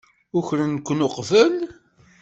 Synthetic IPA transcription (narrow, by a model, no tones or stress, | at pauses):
ʊçɾənkʷːnʊqvən